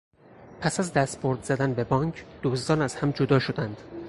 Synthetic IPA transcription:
pʰæsæzd̪æst̪̚boɾd̪z̥æd̪ænbe̞bɒːŋkʰd̪̥oːsd̪ɒːnæz̥hæmd͡ʒod̪ɒːʃo̞d̪ænd̪̥

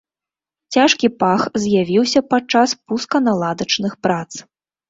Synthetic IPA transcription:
t͡sʲaʂkʲipaxzʲjavʲiwsʲɐpat͡ʂaspuskɐnalˠad̪ɐt͡ʂnɨxpɾat̪s

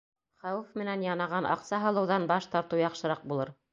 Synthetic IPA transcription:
χæwɘfmɘ̆nænjɑnɑʁɑnʔɑ̰qsɑɦɤ̆lˠɤ̆wðɑnbɑʃt̪ɑɾt̪ɤwjɑqʃɤ̆ɾɑq̚bulˠɤɾ

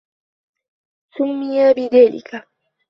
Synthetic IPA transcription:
sʊmːijaːbid̪eːlḭkʰa

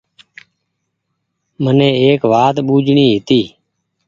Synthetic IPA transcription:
mənẽːeːkʋaːt̪ɓuːd͡ʒɳiːɦɪt̪iː

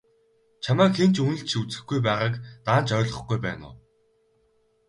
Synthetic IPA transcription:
t͡ɕʰamaːkxent͡ɕunɘ̆ɬt͡ɕʰut͡sɘ̆xɡujp̬æːʁaːkt̪aːnt͡ɕœːɮʁə̆χɡujpæ̰ːnʊ̰ː

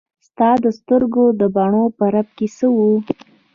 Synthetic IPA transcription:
st̪ɑd̪əst̪əɾɡod̪əbɑɳopəɾab̚kesəwu

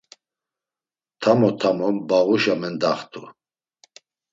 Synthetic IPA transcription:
t̪ʰamɔt̪ʰamɔmbaɣuʃamɛnd̪aχt̪ʰu

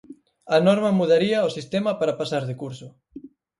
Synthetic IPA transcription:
ɐnɔɾmɐmuðaɾiɐosist̪emɐpaɾapasaɾðɪkuɾsʊ

